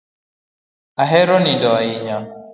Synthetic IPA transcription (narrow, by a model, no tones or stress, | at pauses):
aɦɛɾɔnindɔaiɲa